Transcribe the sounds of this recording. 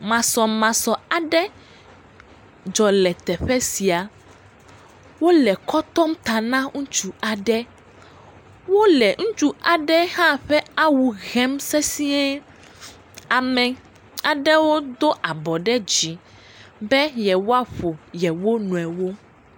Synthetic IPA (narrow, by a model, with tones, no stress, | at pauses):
mã˨sɔ˨mã˨sɔ˨a˨ɖɛ˦ | d͡ʒɔ˨lɛ˨t̪ɛ˨ɸɛ˦si˨a˨ | wo˦lɛ˨kɔ˦t̪ɔ˦mt̪a˨nã˦ŋũ˦t͡ʃu˨a˨ɖɛ˦ | wo˦lɛ˨ŋũ˦t͡ʃu˦a˨ɖɛ˦hã˦ɸɛ˦a˦wu˨ɣɛ˦msɛ˦si˦ɛ˦ | a˨mɛ̃˨ | a˨ɖɛ˦wo˦d̪o˦ʔa˨bɔ˨ɖɛ˦d͡ʑi˨ | bɛ˦jɛ˨wo˦a˦ɸo˨jɛ˨wo˦nũ˨ɛ˨wo˦